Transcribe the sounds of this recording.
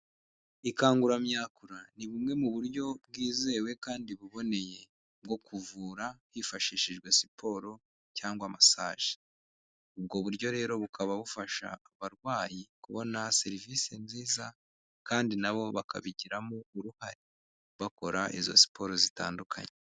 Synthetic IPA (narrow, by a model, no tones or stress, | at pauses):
ikaːŋɡuɾamɲaːkuɾaniβumŋe̞muβuɾɟo̞b̚ɡiːze̞ːwe̞kaːndiβuβo̞ne̞je̞ | b̚ɡo̞kuvuːɾahifaʃiʃiʒɡwe̞si̥pʰo̞ɾo̞ | caːŋɡwamasaːʒ̥e̥ | ub̚ɡo̞βuɾɟo̞ɾe̞ːɾo̞βukʰaβaβufaʃa̰ːβaɾɡwaːjikuβo̞nase̞ɾiviːsenziːza | kaːndinaβo̞βakʰa̰βiɟiɾamouɾuhaɾi | βako̞ɾaʔizo̞̰si̥pʰo̞ɾo̞zita̰ːndukʰa̰ɲe